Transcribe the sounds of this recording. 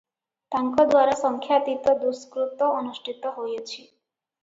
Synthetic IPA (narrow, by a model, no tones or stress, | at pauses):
t̪aŋkɔd̪waɾasɔŋkʰjat̪it̪ɔd̪uskɾut̪ɔɔnuʃʈʰit̪ɔɦojet͡ʃʰi